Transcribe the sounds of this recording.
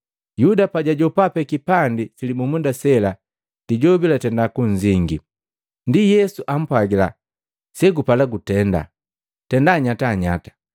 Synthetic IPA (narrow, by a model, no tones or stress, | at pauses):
judapaɟaɟɔpapɛkipandifilimumundasɛla | d̥iɟɔbilatɛndakuɲd͡ʒiŋɡḭ | ndijɛsuʔam̩pwaɡila̰ | sɛɡupalaɡutɛnda̰ | tɛndaɲataːɲa̰tḁ